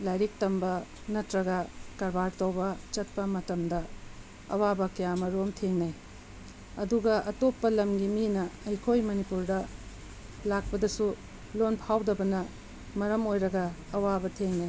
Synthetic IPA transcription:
lajɾik̚tɐmbɐ | nɐtɾɐɡɐkɐɾbaɾtɐwbɐt͡ʃɐt̚pɐmɐtɐmdɐ | ɐ̰wabɐkɐjamɐɾomtʰeŋnɐj | ɐduɡɐʔɐtopːɐlɐmɡiminɐɐjkʰojmɐnipuɾdɐ | lak̚pɐdɐsu | lonpʰawdɐbɐnɐ | mɐɾɐmojɾɐɡɐːwabɐtʰeŋnaj

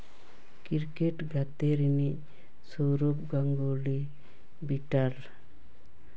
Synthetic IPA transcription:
kiɾkeʈɡʱat̪eɾini | soɾopɡaŋɡoli | biʈaɾ

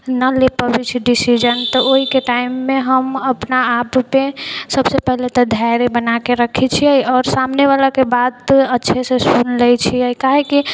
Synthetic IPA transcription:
nəlepəbit͡ʃʰiɖisid͡ʒənt̪ɔoɦikeʈaɪmːeɦəməpnaapːesəbsepɛɦlet̪ɔd̪ʱajɾebənakeɾəkʰit͡ʃʰiəiɔːɾsamneβalakebad̪ətːʃʰesesunlɛt͡ʃʰiəikaɦeki

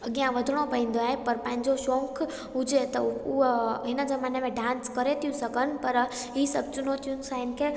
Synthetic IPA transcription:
ɐɠijãʋɐd̪ʱəɽ̃opɐɦĩːn̆d̪oaːɦepɐɾpɐ̃ɦɪ̃ɲd͡ʑoʃɔ̃ːŋkʰ | ɦʊd͡ʑet̪ɐʊɦɦɪnəzɐmaːnemẽɖãːnskɐɾet̪ʰijũsɐkənɪ̆pɐɾ | ɦiːsɐb̚t͡ɕʊnot̪ʰijʊnɪ̆sãːɪnɪ̆kʰe

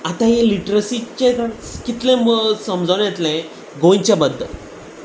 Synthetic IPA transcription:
at̪ãɦẽliʈɾəsit͡ɕekəkit̪lẽməsəmd͡zəwnjɛt̪lɛ̃ | ɡõɲt͡ɕjabəd̪ʱːə̰l

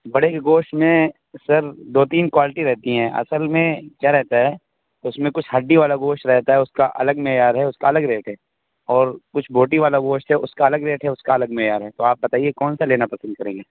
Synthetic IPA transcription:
bɐɽekɡoːʃʈmẽ | sɐɾd̪oːt̪iːnkwaːlɪʈiɾɛɦt̪iɦɛ̃ːʔɐ̰səlmẽkjaːɾɛɦt̪aɦɛː | ʊsmẽkʊt͡ʃʰɦɐɖːiʋaːlaɡoːʃʈɾɛɦt̪aɦɛʊskaʔɐ̰ləɡmeːjaːɾɦɛʊskaɐləɡɾeːʈɦɛː | ɔːɾkʊt͡ʃʰbʱoːʈiʋaːlaɡoːʃʈɦɛʊskaɐləɡɾeːʈɦɛʊskaɐləɡmejaːɾɦɛt̪oaːp̚bɐt̪aːiekɔːnsaleːnapɐsə̃nd̪̚kɐɾẽːŋɡeː

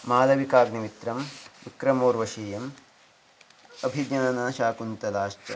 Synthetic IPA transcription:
maːlɐʋikaːɡniʋit̪ɾɐmʋikɾɐmoːɾʋɐʃiːjɐm | ɐbʱiɡɲɐnɐnaːʃaːkunt̪ɐlaːʃt͡ʃɐ

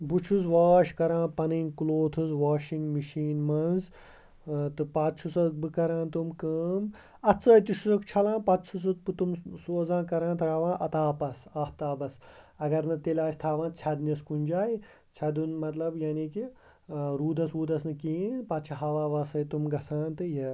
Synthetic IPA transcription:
but͡ʃʰuzʋaːʃkɐɾãːpɐninʲkuloːt̪ʰuzʋaːʃiŋɡmiʃiːnmɐnz | t̪ɨpat̪̚t͡ʃʰusɐtbɨkɐɾãːnt̪umkəːm | ɐtt͡sɐːt̪iʃʰusɐkt͡ʃʰɐlãːnpɐt̪̚t͡ʃʰus̬ɐt̪̚pɨt̪umsoːzãːnkɐɾaːnt̪ʰɾaːʋãːnʔɐt̪aːpɐsaːp̚t̪aːbɐsɐɡɐɾnɨt̪elʲaːsʲt̪ʰaːʋãːnt͡sʰʲɐd̪nʲɐskunʲd͡ʒaːji | t͡sʰɐd̪unmɐt̪lɐbjaniːki | ɾuːd̪ɐsuːd̪ɐsnɨkiːnpɐt̪̚t͡ʃʰɐɦɐʋaːʋɐsɐjt̪umɡɐsãːnt̪ɨjɐ

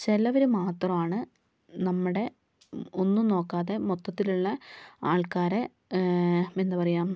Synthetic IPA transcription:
t͡ɕelːɐʋɐɾumaːt̪rɐmaːɳɨ | nɐmːuɽe̞ | onːuno̞ːkːaːðe̞mot̪ːɐt̪ːiluɭːɐaːɭkaːɾe | end̪ɐpɐrɐjaːm

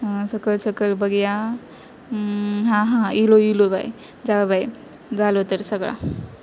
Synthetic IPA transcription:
səkəlsəkəlbəɡja | ɦãɦãiloiloba̰j | d͡zalbaj | d͡zalot̪əɾsəɡɭa̰

